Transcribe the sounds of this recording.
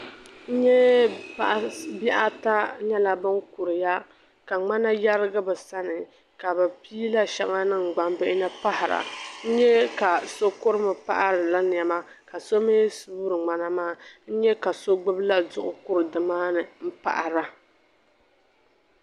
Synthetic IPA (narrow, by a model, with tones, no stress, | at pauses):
n̩˦ɲɛ˦pa˨ʔbɛ˦ʔa˦ta˦ɲɛ˦la˨bɨ˦ŋkʊ˨ɾɨ˨ja˦ | ka˨ŋ͡ma˦na˦ja˦ɾɨ˦ɡɨ˦bɨ˨sa˦nɨ˨ | ka˨bɛ˨piː˦la˦ʃɛ˦ŋa˦nɨ˦ŋ˨ɡ͡ba˨mbɛ˦ʔɪ˦nɛ˦pa˦hɪ˨ɾa̰˨n̩˦ɲɛ˦ka˨so˦kʊ˦ɾɨ˦mɨ˨pa̰˦ʔa˦ɾɨ˨la˦n˨ɛ˨ma˦ | ka˨so˦me˦su˦ɾɨ˨ŋ͡ma˨na˨maː˦˨n̩˦ɲɛ˦ka˨so˦ɡ͡bɨ˦bla˦zʊ˨ʔʊ˨kʊ˦ɾɨ˨dɨ˨maː˦nɨ˨m̩˦pa̰˨ʔa˨ɾa˨